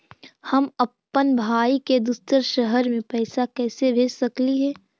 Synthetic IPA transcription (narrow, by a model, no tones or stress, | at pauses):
hɐməpːənbʱaːiked̪ʊst̪əɾʃəɦəɾmẽpɛːsakɛːsebʱeːsɐkliɦɛː